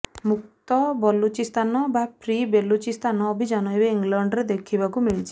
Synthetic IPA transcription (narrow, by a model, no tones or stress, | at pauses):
muk̚t̪ɔbɔlut͡ʃist̪anɔbapʰɾibelut͡ʃist̪ʰanɔːbʱid͡ʒanɔebeiŋɡlaɳɖɾed̪ekʰibakumiɭit͡ʃʰi